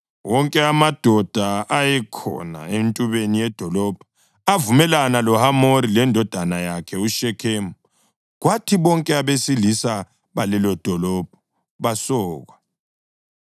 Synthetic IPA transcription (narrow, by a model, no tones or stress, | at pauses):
wɔŋkʼɛamad̥ʱɔd̥ʱaʔajɛkʰɔ̰na̰entʼuβenijɛd̥ʱɔlɔb̥ʱɔ̥ | avumɛlanalɔhamoɾilɛndʱɔd̥ʱanajakʰɛuʃɛkʰemu | ɣwatʰiβɔŋkʼɛaβesilisa | βalɛlɔd̥ʱɔlɔb̥ʱɔ̥ | βasɔːɣwa